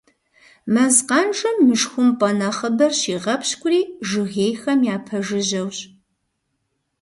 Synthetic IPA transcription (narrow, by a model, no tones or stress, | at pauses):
mɐzqɑnʈ͡ʂɨmːɨʂxʷʊmpʼɐnɐχɐbɐrɕiːʁɐpʰɕkʷʼʊriːʒɨɣeːjxɐmjaːpʰɐʒɨʑɐwɕʼ